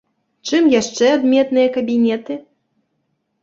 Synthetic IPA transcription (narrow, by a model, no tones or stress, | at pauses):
t͡ʂɨmjaʂt͡ʂɛad̪mʲɛt̪nɨjɐkɐbʲinʲɛt̪ɨ